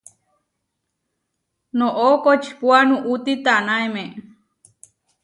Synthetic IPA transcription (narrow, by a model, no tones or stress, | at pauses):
nõʔokot͡ʃi̥puanũʔut̪it̪anãemẽ